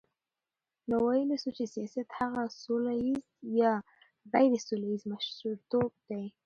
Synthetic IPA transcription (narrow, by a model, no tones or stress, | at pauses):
nowajəlisut͡ʃesijɑsat̪haɣasolaiz | jɑ | vajɾesolaizmaʃsuɾt̪ob̚d̪̥aj